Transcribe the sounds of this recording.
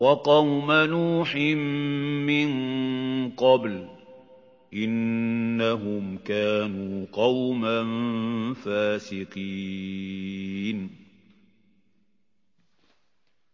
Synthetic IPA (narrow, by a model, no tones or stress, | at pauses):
wɑqɑwmanuːħɪmːɪn | qɑbl | ʔɪnːaɦʊmkaːnuːqɑwmanfaːsɪqi | n